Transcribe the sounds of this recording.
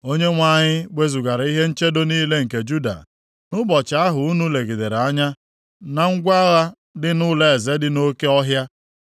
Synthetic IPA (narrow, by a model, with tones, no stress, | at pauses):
o˦ɲe˦ŋʷa˦˨ɲɪ˦ɡ͡be˦zu˨ɡa˨ɾa˨i˦ɦe˦n̩˦t͡ʃe˦do˦niː˦le˦ŋ̩˨ke˨d͡ʒu˦da̰˨ | nʊ˦bɔ˨t͡ʃa˨a˦ɦʊ˨u˦nu˦le˨ɡi˨de˨ɾa˦ɲa˦ | na˨ŋ̩˦ɡʷa˦ɣa˦ | dɪ˦nʊ˦le˨e˨ze˦dɪ˦no˦ke˦ɔ˦ɦja˦